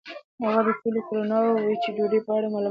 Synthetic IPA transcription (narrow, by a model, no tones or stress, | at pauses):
haɣad̪əsulekoɾonɑwwet͡ʃeɖoɖepəaɽamalu